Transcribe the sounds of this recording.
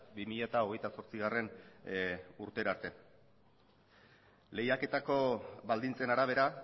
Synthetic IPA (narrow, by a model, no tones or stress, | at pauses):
bimiʎat̪ao̞ɣ̞e̞jt̪aso̞ɾt͡siɣare̞n | uɾt̪e̞ɾaɾt̪e̞ | le̞jake̞t̪ako̞βald̪int͡se̞naɾaβ̞e̞ɾa